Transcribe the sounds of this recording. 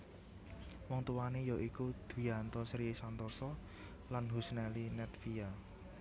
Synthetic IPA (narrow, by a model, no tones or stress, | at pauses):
wɔŋt̪uwanejɔʔikud̪̥wiant̪ɔsɾiesant̪ɔsɔ | lanɦusnɛlinɛt̪̚fija